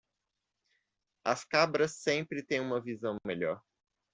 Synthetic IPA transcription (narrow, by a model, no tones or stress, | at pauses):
ɐskabɾɐsːẽpɾɪt̪ẽj̃ũmɐvizɐ̃w̃meʎɔɾ